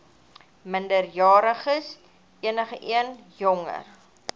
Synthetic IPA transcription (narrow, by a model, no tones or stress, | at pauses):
məndərjɑːɾəχəs | iənəχəʔiənjɔŋə̰r